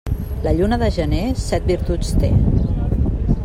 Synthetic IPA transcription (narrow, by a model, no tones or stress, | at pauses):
ləʎunəðəʒənesɛt̪̚biɾt̪ut͡st̪ḛ